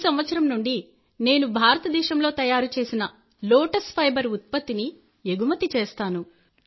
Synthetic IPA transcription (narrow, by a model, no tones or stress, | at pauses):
sɐmʋɐt̪sɐɾɐmnuɳɖi | ne̞ːnubʱaːɾɐt̪ɐd̪ɛːʃɐmlo̞ːt̪ɐjaːɾut͡ʃe̞ːsinɐ | loːʈɐspʰɐjbɐɾut̪̚pɐt̪ːini | eɡumɐt̪ːit͡ʃeːst̪aːnu